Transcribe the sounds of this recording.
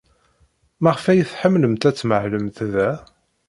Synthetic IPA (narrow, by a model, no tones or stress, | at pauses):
mæʁfæjəθħəmːləmt̪æt͡sːməʕləmθðæ